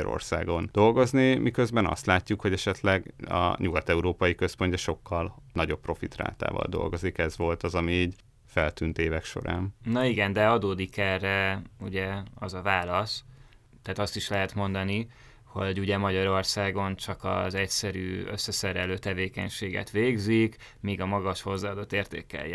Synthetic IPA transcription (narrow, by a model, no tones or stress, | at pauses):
ɾo̰rsa̰ːɡo̞nd̪̥o̞lɡo̞znimʔikøzbɛnɒ̰st̪laːcːukho̞ɟɛʃɛt̪lɛɡɒ̰ɲuɡɒt̪ɛuɾoːpɒjikø̞spo̞ɲcɛʃo̞kːɒlnɒɟo̞pːro̞fit̪ra̰ːt̪a̰ːvɒ̰ld̪o̰lɡo̞zikɛzʋo̞lt̪ɒzɒmiiːɟ | fɛlt̪ynt̪eːvɛkʃo̞̰ɾa̰ːnnɒiɡɛnd̪ɛɒd̪oːd̪ikɛrːɛuɟɛɒzɒvaːlɒs | t̪ːaːt̪ɒst̪iʃlɛɦɛt̪mo̞nd̪ɒni | ho̞ɟuɟɛmɒɟɒɾo̞rsaːɡo̞nt͡ʃɒkɒ̰zɛcsɛɾyːø̰sːɛsɛɾɛløːt̪ɛveːkɛɲʃeːɡɛ̰t̪ʋeːɡzik | miːɡɒmɒɡɒʃho̞zːaːd̪o̞t̪ːeːrt̪ḛːkɛ̰jːɛ